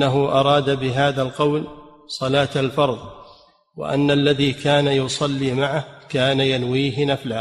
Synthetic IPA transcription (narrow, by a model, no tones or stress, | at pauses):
aɦʊʔɑɾˤɑːd̪abɪɦaːðalqɑwl | sˤɑlaːt̪alfɑɾˤðˤ | wa̰ʔa̰nːalːaðiːkʰaːnajʊsˤɑlːiːmaʕahkaːnajanwiːɦɪnafla